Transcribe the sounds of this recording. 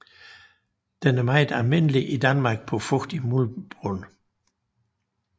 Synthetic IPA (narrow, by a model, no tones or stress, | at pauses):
d̥ɛnəmɑ̈ɪd̥æɐmenəliʔidænmɑ̈ːɡ̥̚pʰɔ̽fɔd̥imulb̥ʁɔn